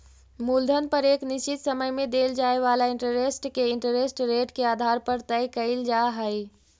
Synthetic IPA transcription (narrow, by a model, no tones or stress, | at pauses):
muld̪ʱənpəɾeːknist͡ʃit̪səməjmed̪eld͡ʒaeʋalaɪ̃ɳʈəɾesʈkeɪɳʈəɾesʈɾeʈkeaːd̪ʱaɾpəɾt̪əjkəɪld͡ʒaɦəj